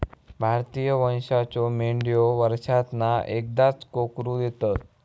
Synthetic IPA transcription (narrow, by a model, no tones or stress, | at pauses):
bʱaɾt̪ijəʋə̃ñʂat͡ɕɔmeɳɖjoʋəɾʂat̪naek̚d̪at͡skokɾud̪et̪at̪